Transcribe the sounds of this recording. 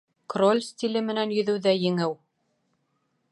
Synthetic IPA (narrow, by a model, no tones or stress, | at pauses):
krolʲst̪ʲilɘmɘ̆nænjɵ̆ðɘ̆wðæjɘ̆ŋɘw